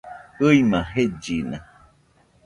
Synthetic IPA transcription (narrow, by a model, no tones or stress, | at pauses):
ɨimãɦed͡ʒinã̰